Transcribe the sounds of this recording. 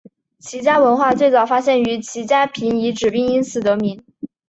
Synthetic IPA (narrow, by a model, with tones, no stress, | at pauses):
t͡ɕʰi˧˥t͡ɕja˥wə˧˥nxwa˥˧t͡swe˥˩ɪt͡sɑ˨˩ʊfa˥ɕjɛ˥˩ny˧˥t͡ɕʰi˧˥t͡ɕja˥pʰi˧˥ni˧˥ʈ͡ʂɻ̩˨˩pi˥˩ŋi˥nsʰɹ̩˥˩t̪ɤ˧˥mi˧˥n